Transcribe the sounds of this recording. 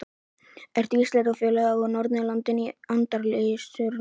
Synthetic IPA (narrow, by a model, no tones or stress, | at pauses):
ɛɾ̥t̪ist̪lɛnafjʏːlɛɣaɔnɔɾt̪nɪlant̪ɪniant̪aɾlɪsʏɾ